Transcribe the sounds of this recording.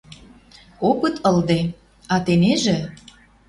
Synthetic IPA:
okə̆t̪ʰɤ̆ld̪e | ɑt̪eneʒĕ

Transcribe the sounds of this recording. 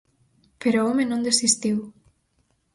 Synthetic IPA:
peɾoɔmenõnd̪esist̪iw

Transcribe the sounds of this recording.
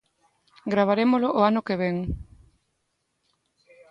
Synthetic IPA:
ɡɾaβ̞aɾemolʊʔoanʊkeβeŋ

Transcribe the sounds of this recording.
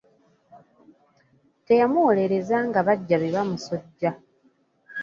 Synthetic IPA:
te̞jamuwole̞ɾe̞zaŋɡaβaɟːaβiβamuso̞ɟːa

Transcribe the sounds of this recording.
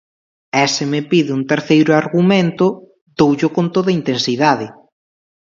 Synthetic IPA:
ɛsɪmɪpiðɪuŋt̪eɾθejɾʊaɾɣumẽnt̪ʊ | d̪owʎokont̪oðɐint̪ensiðaðɪ

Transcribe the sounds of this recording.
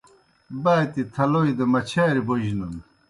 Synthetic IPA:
baːjt̪it̪ʰɐloid̪ɐmɐt͡ɕʰaːɾiboʑnun

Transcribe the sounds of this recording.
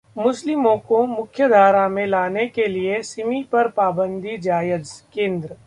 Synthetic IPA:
mʊslɪmõkomʊkʰjəd̪ʱaːɾamẽlaːnekeliesɪmipɐɾpaːbə̃nd̪ʱid͡ʒaːjəd͡ʒkẽːnd̪ɾə

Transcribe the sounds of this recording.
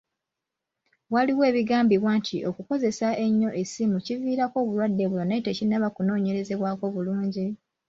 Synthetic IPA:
waliwe̞ːβiɡaːmbiβwaːntʰiʔo̞kuko̞ze̞sae̞ɲːo̞ʔesimuciviːɾako̞ːβulwadːe̞βulonaitecinaβakuno̞ːɲe̞ɾe̞ze̞βwaːko̞βuluːɲɟi

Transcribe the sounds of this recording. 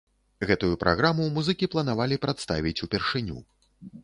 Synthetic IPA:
ɣɛt̪ujupɾʔa̰ɣɾamumuzɨkʲiplˠɐn̪avalʲipɾat̪st̪avʲit͡sʲupʲɛrʂɨnʲṵ

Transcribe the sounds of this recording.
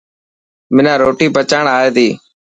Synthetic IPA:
mɪnãːɾoːʈiːpət͡ʃaːɳaːeːd̪iː

